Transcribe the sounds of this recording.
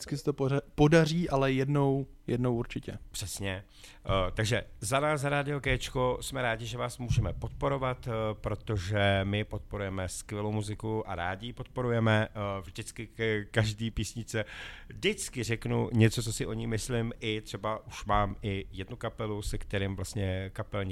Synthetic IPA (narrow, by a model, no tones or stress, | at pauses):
dɪt͡skɪsɛt̪oppodariːʔalɛjɛdnow | jɛdnowuɾt͡ʃɪcɛpr̥ɛsɲɛ | t̪aɡʒɛzanaːzaɾaːdɪo̞kɛːt͡ʃkosmɛɾaːɟɪʒɛvaːsmuːʒɛmɛpo̞t̪̚po̞ɾo̞vat̪pɾo̞t̪o̞ʒɛmɪpo̞t̪̚po̞ɾujɛmɛskvjɛlowmuzɪkuʔa̰ɾaːɟɪpo̞t̪̚po̞ɾujɛmɛvʒdɪt͡skɪkaʒdiːpiːsɲɪt͡sɛdɪt͡skɪrɛknṵɲɛt͡sot͡so̞sɪʔo̞ɲɪmɪslɪmʔɪt̪r̥ɛbaʔuʃmaːmʔɪjɛdnukapɛlusɛkt̪ɛɾɪːmvlast̪ɲɛkapɛlɲ